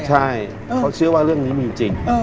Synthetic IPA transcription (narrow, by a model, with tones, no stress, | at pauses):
t͡ɕʰa˥˩j | kːa˦˥wt͡ɕʰɯ˦˥˩ɐwaː˥˩ɾɯ˥˩əŋniː˦˥mi˧˨˧t͡ɕi˨˧˩ŋ˧